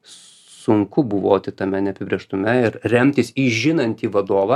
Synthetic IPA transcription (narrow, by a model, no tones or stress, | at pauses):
sʊŋkʊbʊʋoːt̪ʲɪt̪ɐmʲɛnʲɛɐpʲɪbʲɾʲiɛʃt̪ʊmʲɛɪɾrʲɛmʲt̪ʲɪsiʒʲɪnɐnʲt̪ʲiːʋɐd̪oːʋɐ